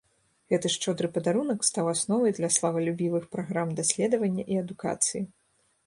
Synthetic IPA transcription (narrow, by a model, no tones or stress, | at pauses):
ɣɛt̪ɨʂt͡ʂɔd̪ɾɨpɐd̪aɾunɐkst̪awasnɔvɐjd̪lʲɐslˠɐvɐlʲubʲivɨxpɾaɣɾamd̪asʲlʲɛd̪ɐvɐnʲːɐʔiɐd̪uka̰t̪sɨji